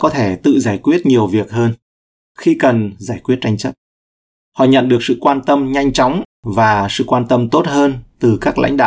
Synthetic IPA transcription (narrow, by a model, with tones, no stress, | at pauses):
kɔ˨˦t̪ʰe˧˩t̪ɨ̰˧˨zaː˧˩jkwi˦˥ət̚ɲi˨˩əwvi˨˩ək̚həː˧n | xi˧kə˨˩nzaː˧˩jkwi˦˥ət̚t͡ɕa˧jŋt͡ɕə˦˥t̚ | hɔ̰˧˨ɲə̰˧˨nɗɨ˨˩ək̚sɨ̰˧˨kwaː˧nt̪ə˧mɲa˧jŋ̟t͡ɕɔ˨˦wŋ͡mvaː˨˩sɨ̰˧˨kwaː˧nt̪ə˧mt̪o˦˥t̚həː˧nt̪ɨ˨˩kaː˦˥k̚la̰˧˥jŋ̟ɗa̰ː˧˨